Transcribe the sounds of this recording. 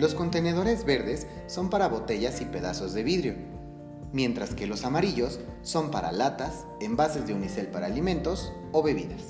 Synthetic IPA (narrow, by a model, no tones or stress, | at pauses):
lo̞sko̞nt̪e̞ne̞ðo̞ɾe̞zβe̞ɾðe̞sː | o̞mpaɾaβo̞t̪e̞ʝasipe̞ðaso̞zðe̞βiðɾjo̞ | mje̞nt̪ɾaske̞lo̞samaɾiʝo̞sː | o̞mpaɾa̰lat̪as | e̞mbase̞zðeunise̞lpaɾaːlimẽ̞nt̪o̞s | o̞βe̞βḭðas